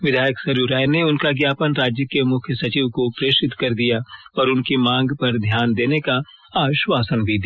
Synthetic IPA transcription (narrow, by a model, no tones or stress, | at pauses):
ʋɪd̪ʱaːjəksɐɾuːɾaːjneʊnkaɡjaːpənɾaːd͡ʒjəkemʊkʰjəsɐt͡ʃiːʋkopɾeːʃɪt̪kɐɾd̪ijaɔːɾʊnkimãːŋɡpɐɾd̪ʱjaːnd̪eːneka | aːʋɪʃwaːsənbʱid̪